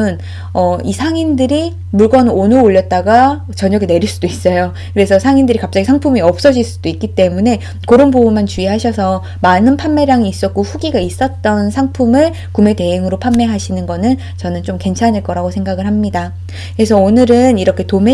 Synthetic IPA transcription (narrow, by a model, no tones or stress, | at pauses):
ɯn | ʌisʰaŋindɯɾi | muɭɡʌnɯnonɯɾooʎːʌt̚t͈aɡa | t͡ɕʌɲʌɡine̞ɾiɭs͈udois͈ʌjo | kɯɾe̞sʰʌsʰaŋindɯɾikap̚t͡ɕ͈aɡisʰaŋpʰumiʌp̚s͈ʌd͡ʑiɭs͈ud̥oik͈it͈e̞mune̞ | kɯɾonboumant͡ɕuiɦaɕʰʌsʰʌ | manɯnpʰammːe̞ɾaŋiːs͈ʌt̚k͈oɸuɡiɡais͈ʌt̚t͈ʌnsʰaŋpʰumɯɭ | kume̞te̞ɦeŋɯɾopʰamːe̞ɦaɕʰinɯnɡʌnɯn | t͡ɕʌnɯnt͡ɕomke̞nt͡ɕʰaniɭk͈ʌɾaɡosʰe̞ŋɡaɡɯɭɦamɲida | kɯɾe̞sʰʌonɯɾɯniɾʌkʰetome